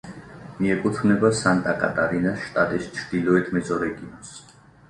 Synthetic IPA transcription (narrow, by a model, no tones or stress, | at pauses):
miɛkʼut̪ʰvmnɛbasant̪ʼakʼat̪ʼaɾinasʃt̪ʼat̪ʼist͡ʃʰɾd̪̥ilɔɛt̪ʰmɛzɔɾɛɡiɔns